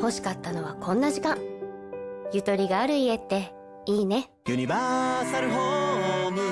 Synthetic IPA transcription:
ho̞ɕi̥kat̪ːano̞β̞akʰõ̞nːaʑikãŋ | jɯ̟t̪o̞ɾʲiɡaːɾɯ̟ie̞t̪ːe̞ | iːne̞ | jɯɲʲibaːsaɾɯ̟ɦomɯ

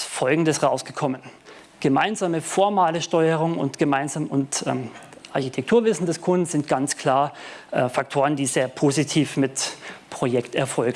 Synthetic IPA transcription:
fɔlɡŋ̩dəsʁaʊsɡ̥əkʰɔmən | ɡ̥əmaɪnzaːməfɔɐmaːləʃtɔʏəʁ̞ʊŋʊ̰ntɡ̥əmaɪnzaːmʊntʔɛː | ʔaɐçitʰɛk̚tʰuːɐvɪsn̩dɛskʰʊnn̩z̥ɪntɡ̥ant͡skʰl̥aːɐʔɛfak̚tʰoːʁ̞əndiːzeːɐpʰozitʰiːfmɪtpʁ̥ojɛktɛɐfɔlɡ

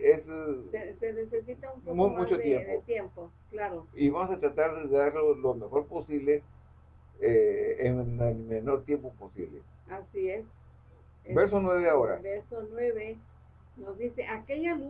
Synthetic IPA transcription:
esesenesesit̪aumumut͡ʃot̪jemðot̪jempo | klaɾoiβamosat̪ɾat̪aɾðeðeaɾlolomexo̞ɾposiβle | eː | nelmenoɾt̪jempoposḭβlḛ | asies | beɾsonwe̞βeaoɾa̰beɾsonweβe | nozd̪iseʔakeʎan

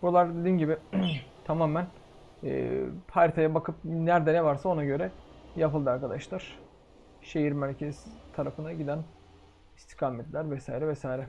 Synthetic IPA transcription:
bulˠaɾd̪ed̪iːnɟibɪt̪ʰamaːmæn | ɛ̰ːpʰaɾt̪ʰajabakʰɯp̚næɾd̪ɛnɛvaɾsao̞naɟø̞ɾɛjapɯlˠd̪ɯaɾkʰad̪aʃlˠaɾ̥ | ʃe̞jiɾmæɾʲcʰɛz̥t̪ʰaɾafɯnaɟid̪æn | ist̪ʰi̥kʰaːmɛt̪lʲæɾvɛsaːjiɾɛvɛsaːjiɾɛ

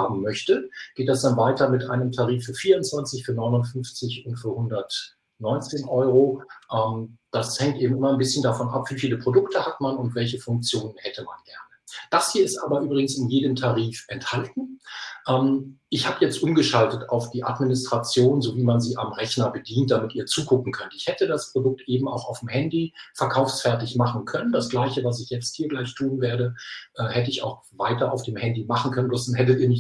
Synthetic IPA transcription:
haːbm̩mœçtəɡ̥eːt̚d̥asd̥anvaɪtɐmɪtʔaɪnəmtʰaʁiːfːyːɐfiːɐʊnt͡sv̥ant͡sɪçfyːɐnɔʏnʊntfʏnft͡sɪçʊntfyːɐhʊndɐt | nɔʏnt͡seːnʔɔʏʁoʔɛmd̥ashɛŋk̚tʔeːbm̩ʔɪmɐnbɪsçəndafɔnʔa̰pv̥iːfiːləpʁ̥odʊktʰəhatmanʊntv̥ɛlçəfʊŋk̚t͡sjoːnənhɛtʰəma̰nɡ̥ɛɐnəd̥ashiːɐɪstʔaːbɐʔyːbʁɪɡŋ̩sɪnjeːdəmtʰaʁiːfʔɛnthaltn̩ʔɛːmʔɪçhaːbəjɛt͡stʔʊmɡəʃaltəta̰ʊfd̥iːʔa̰tminɪstʁ̥at͡sjoːnzoviːmanziːʔa̰mʁɛçnɐbədiːnt̚d̥amɪtiːɐt͡suːɡʊkŋ̩kʰœntəɪçhɛtədaspʁ̥odʊk̚tʔeːbm̩a̰ʊxaʊfdmhɛndifɛɐkʰaʊfsfɛɐtɪçmaχn̩kʰœnəndasɡ̥laɪçəvas̬ɪçjɛt͡st̚hiːɐɡlaɪçtʰuːnveːɐdəʔɛːhɛtəɪça̰ʊx | vaɪtɐʔaʊfd̥eːmhɛndimaχn̩kʰœnənblʊsnhɛtətiːɐnɪç

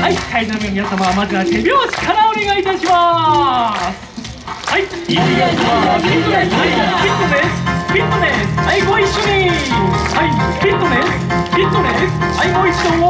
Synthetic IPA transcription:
haikainoɾmẽmʲinasamamazɨatebʲjoːɕi̥kʰanaoneɡait̪aɕima | s | haiiaaaaipʲit̪ːod̪espʲit̪ːod̪esaiɡoiɕːoɲihai | pʲit̪ːod̪es | bʲit̪ːod̪es | aiɡoiɕõ

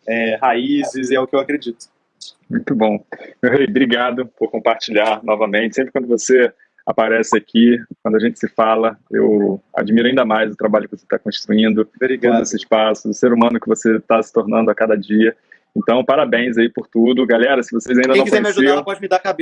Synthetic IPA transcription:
ɛhaizɪzɪɛʊkɪewakɾed͡ʒit̪ʊ̥ | mũj̃t̪ʊbõmewɦejbɾiɡad̪ʊpʊɾkõpaɾt͡ʃiʎaɾnɔvɐmẽnt͡ʃɪsẽpɾɪkwɐ̃nd̪ʊvose | a̰paɾɛsɪakʰikwɐ̃nd̪ʊaʒẽnt͡ʃɪ̥sɪfalɐḛwa̰d͡ʒimiɾʊaĩnd̪ɐmajzʊt̪ɾabaʎʊkɪvose̥t̪akõst̪ɾuĩnd̪ʊbɾiɡod̪esɪɪʃpasʊʊseɾumɐ̃nʊkɪvoset̪asɪ̥t̪oɾnɐ̃nd̪ʊakad̪ɐd͡ʒiɐ | ẽnt̪ɐ̃w̃paɾabẽj̃zaipʊɾt̪ud̪ʊɡalɛɾɐsɪvosezaĩnd̪ɐ̃kkɛjemiasʒudĩpɔd͡ʒɪmɪd̪aɾkabe

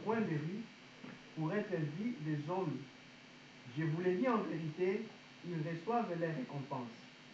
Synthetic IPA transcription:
ʁwɛ̃b̪eʁi | puʁɛt̪ɛvilɛzɔ̃m | ʒəvulɛd̪iɑ̃veʁit̪e | ilʁəswavlɛʁekɔ̃pɑ̃s

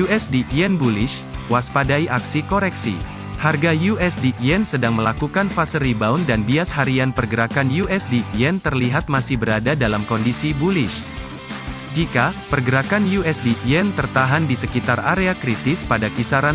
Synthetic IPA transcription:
juɛsdiʔiɛnbulɪʃ | waspadaiʔaksikɔɾɛksḭ | harɡajuɛsdiʔiɛnsədaŋməlakukanfasəɾibaundanbiashaɾianpərɡəɾakanjuɛsdiʔiɛnt̪ərliɦat̪̚masɪhbəɾadadalamkɔndisibulɪʃ | d͡ʒikapərɡəɾakanjuɛsdiʔiɛnt̪ərt̪aɦandisəkit̪araɾeakɾit̪ɪspadakisaɾa

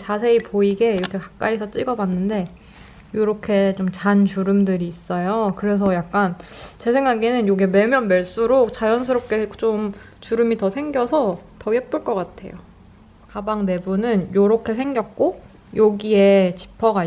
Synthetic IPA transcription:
t͡ɕasʰe̞ipoiɡe̞iɾʌkʰe̞kḁk̚k͈aisʰʌt͡ɕ͈iɡʌbanːɯnde̞ | joɾʌkʰe̞t͡ɕomt͡ɕant͡ɕuɾɯmdɯɾiːs͈ʌjokɯɾe̞s̬ʰʌjak̚k͈ant͡ɕe̞sʰe̞ŋɡaɡenɯnjoɡeme̞mjʌnmeɭs͈uɾok̚t͡ɕajʌns̬ʰɯɾop̚k͈e̞t͡ɕomt͡ɕuɾɯmitʌsʰe̞ŋɡjʌsʰʌtʌhep͈uɭk͈ʌk͈atʰe̞̰jo | kabaŋne̞bunɯnjoɾʌkʰe̞sʰe̞ŋɡjʌk̚k͈o | joɡie̞t͡ɕi̥pʰʌɡa

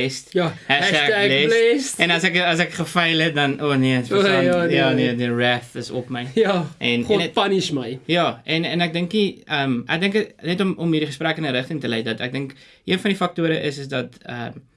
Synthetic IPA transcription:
stjɦɛsælɛlɛstɛnɐsækəɐs̬ækχəfɛjlɛt̚dɐnʔoːniəsjɑːnidəræθəsɔ̰pməjjʔɛnpɐniʃməjjɑːɛnɛnæk̚dəŋkiəmʔæ̰k̚dəŋkənɛtɔmɔmɦiːɾiχəspɾækənəɾəχtəŋtəlɛjt̚dɐtæ̰k̚dəŋk | ʔiənfɐndifɐk̚tuəɾəʔəsəs̬dɐtə̰m

